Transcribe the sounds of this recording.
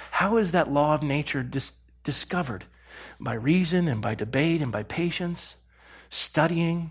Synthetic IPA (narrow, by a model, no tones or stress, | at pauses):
haʊɨzðɨʔˡlɔʌvneɪt͡ʃə˞dɨs | d̥ɨskʌvə̰˞d̚ | b̥aɪɹizɨ̃nɨ̃nbaɪdɨbeɪɾɨ̃nbaɪpʰeɪʃɨ̃nts | tʌɾiɪ̃ŋ